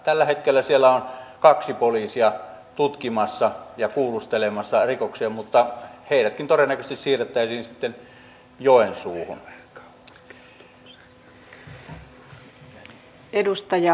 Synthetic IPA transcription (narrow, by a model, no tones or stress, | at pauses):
t̪ælːæhet̪kelːæsielːˑæonkɑksipoliːsiɑt̪ut̪kimɑsːɑjɑkuːlust̪elemɑsːɑrikoksiɑmut̪ːɑheˑiɾæt̪kint̪orenːækøst̪issiːrˑet̪ːˑæˑisiːnsit̪ːen | joˑensuːho̰n | edust̪ɑjɑ